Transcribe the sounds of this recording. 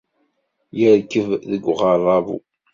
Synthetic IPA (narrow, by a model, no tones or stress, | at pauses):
jəɾkːəvðəɡʷʁərˤːɑvṵ